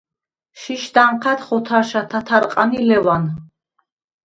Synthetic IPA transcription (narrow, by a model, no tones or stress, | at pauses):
ʃiʃd̪aɴqʰat̪χɔt̪ʰaɾʃat̪ʰat̪ʰaɾqʼanilɛvan